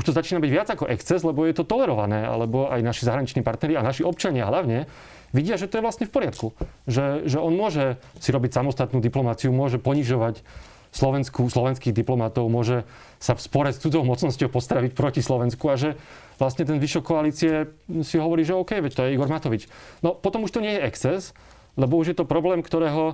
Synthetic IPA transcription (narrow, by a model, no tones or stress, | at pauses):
uʃt̪ɔzat͡ʃiːnabiɟʋɪad͡zakɔʔɛkst͡sɛzlɛbɔjɛt̪ɔt̪ɔlɛɾɔʋanɛːa̰lɛbɔʔajnaʃizaɦɾaɲit͡ʃniːpaɾt̪nɛɾianaʃiɔp̚t͡ʃaɲɪaɦlaʊɲɛ | ʋiɟɪaʒɛt̪ɔjɛʋlastɲɛfpɔɾɪat̪kuʒɛʒɛɔnmʊɔʒɛsiɾɔbicsamɔst̪at̪nuːd̪iplɔmat͡siumʊɔʒɛpɔɲiʒɔʋac | slɔʋɛnskuslɔʋɛnskiːɣd̪iplɔmat̪ɔʊmʊɔʒɛ | safspɔɾɛst͡sud͡zɔʊmɔt͡snɔscɔʊpɔst̪ɾaʋicpɾɔcislɔʋɛnskuaʒɛ | ʋlast̪ɲɛt̪ɛnʋiʃɔkɔaliːt͡siɛsiɦɔʋɔɾiːʒɛɔʊkɛjʋɛct̪ɔjɛiɡɔɾmat̪ɔʋit͡ʃnɔpɔt̪ɔmuʃt̪ɔɲɪɛjɛɛkt͡sɛs | lɛbɔuʒjɛt̪ɔpɾɔblɛːmkt̪ɔɾɛːɦɔ